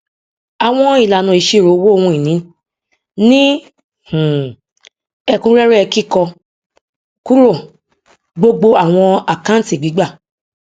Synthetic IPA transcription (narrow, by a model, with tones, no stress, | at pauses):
a˨w̃ɔ̃˧˦i˦˨la˨nũ˧˨i˨˧ʃe˦˨ɾo˨˦wo˦˧wũ˧i˨nĩ˨˦ | nĩ˦ | h̩˨ | ɛ˧kũ˦ɾɛ˦ɾɛ˦ɛ˧ki˦˨kɔ˧ | ku˦ɾo˦˨ | ɡ͡bo˧ɡ͡bo˧a˦˨w̃ɔ̃˧a˨kã˦n˦ti˨ɡ͡bi˨˦ɡ͡ba˦˨